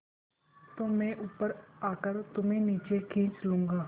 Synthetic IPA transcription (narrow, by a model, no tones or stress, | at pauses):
t̪oːmɛ̃ːʔʊpːəɾaːkəɾt̪ʊmẽniːt͡ʃekʰĩːt͡ʃlũːŋɡaː